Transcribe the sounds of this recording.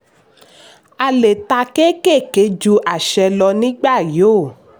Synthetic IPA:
a˧le˨ta˧ke˦ke˦˨ke˨˦d͡ʒu˧ʔa˨ʃɛ˧lɔ˧nĩ˦ɡ͡ba˦˨jo˨˦˨

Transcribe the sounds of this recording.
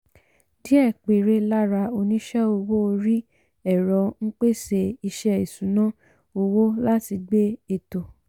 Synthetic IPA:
di˦ɛ˦˨k͡pe˨ɾe˧la˦ɾa˧o˧nĩ˦ʃɛ˦o˧wo˦o˧ɾi˦ | ɛ˦˨ɾɔ˨˦ŋ̩˦k͡pe˦˨se˨i˧ʃɛ˦i˨sũ˨˦nã˦ | o˧wo˦la˦ti˧ɡ͡be˦e˨to˨

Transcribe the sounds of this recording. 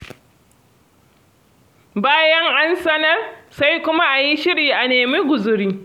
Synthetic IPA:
baː˦jɐ˦ŋʔa˦nsɐ˦nɐ˦rsa˦jkʷʊ˦ma˦ʔa˨ji˦ʃɪ˦ɾiː˨ʔa˨neː˨mi˦ɡʷʊ˨zʊ˨ɾiː˦

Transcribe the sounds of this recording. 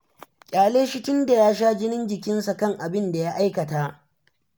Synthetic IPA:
kʲʼaː˨leː˦ʃi˦tʊ˦nda˨jaː˦ʃ̬aː˦d͡ʒɪ˦nɪ˦nd͡ʒɪ˨kʲɪ˦nsa˨kɐ˦˨ŋʔa˨bɪ˦nda˨ja˦ʔa˦jkɐ˨ta˦ʔ

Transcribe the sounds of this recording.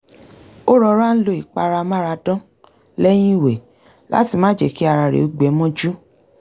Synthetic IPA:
o˦ɾɔ˧ɾa˦n̩˦lo˧˨i˨k͡pa˧ɾa˧mã˦ɾa˧dɔ̃˦ | lɛ˦j̃ĩ˦i˦˨wɛ˨ | la̰˨˦ti˨mãː˦d͡ʒɛ˨ki˨˦a˧˨ɾa˧˨ɾḛ˨o˧ɡ͡bɛ˨˦mɔ̃˦d͡ʒu˦

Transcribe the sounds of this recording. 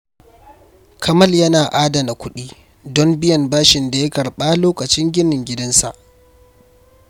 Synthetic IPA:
kʰɐ˨mɐ˦˨ljɐ˦naː˨ʔaː˦da˨na˨kʷʊ˦ɗiː˦ | dɔ˦mbɪ˦jɐ˨mbaː˦ʃɪ˨nda˨ja˦kɐ˨ɽɓa˦loː˦kɐ˨t͡ʃɪ˦ŋɡʲɪ˦nɪ˨ŋɡʲɪ˦dɐ˦nsa̰˨ʔ

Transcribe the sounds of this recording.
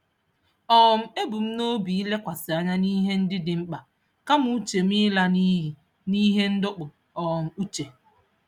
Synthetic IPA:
ɔ˨m̩˦e˦bu˨m̩˦no˦bi˨i˦le˦kʷa˨sɪ˨a˦ɲa˦ni˦ɦe˦n̩˦dɪ˦dɪ˨ŋ͡m̩˦k͡pa˨ | ka˦mu˦t͡ʃe˨m̩˦i˦la˦˨ | ni˦ɦe˦n̩˦dʊ˦k͡pʊ˨ | ɔː˨m̩˨u˦t͡ʃe˨

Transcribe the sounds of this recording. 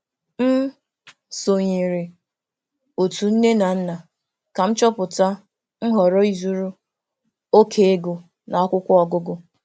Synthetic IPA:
m̩˦ | so˨ɲe˨ɾe˨ | o˨tu˨n̩˦ne˦na˨n̩˦na˨ | ka˨m̩˦t͡ʃɔ˦pʊ˨ta˦ | n̩˦ɦɔ˨ɾɔ˦i˨zu˦ɾu˦ | o˦kʰe˦e˦ɡo˨ | na˨ɔ˦kʷʊ˦kʷʊ˦ɔ˨ɡʊ˦ɡʊ˦

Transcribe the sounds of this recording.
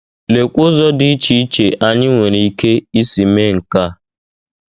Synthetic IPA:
le˨kʷʊ˦zɔ˦dɪ˦t͡ʃi˦i˦t͡ʃe˨ʔa˦ɲɪ˦ŋʷe˨ɾe˨i˦ke˦i˦si˨me˦ŋ̩˨ka˦˨

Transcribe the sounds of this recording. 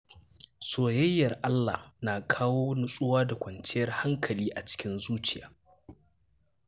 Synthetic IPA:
soː˨jɐ˦jːɐ˨rʔa˦lːa̰˨hnaː˨kʰaː˦woː˦nʊ˦sʼʊ˦waː˦da˨kʷɐ˨nt͡ʃɪ˦jɐ˦rha˦ŋkʰɐ˨liː˦ʔa˨t͡ʃɪ̥˦kʲɪ˦nzuː˦t͡ʃɪ˦jaː˨

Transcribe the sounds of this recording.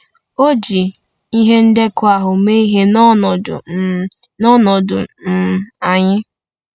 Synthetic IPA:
o˦d͡ʒi˨ | i˦ɦe˦n̩˦de˦kʊ˦a˨ɦʊ˨me˦i˦ɦe˦ɔ˨ʊ˨ | nɔ˦nɔ˨dʊ˨ | a˨ɲɪ˦

